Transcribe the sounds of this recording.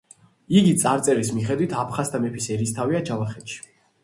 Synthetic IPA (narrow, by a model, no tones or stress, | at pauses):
iɡit̪sʼaɾt̪sʼɛɾismiχɛd̪wit̪ʰapʰχast̪ʰamɛpʰisɛɾist̪ʰaviad͡ʒalaχɛt̪ʃi̥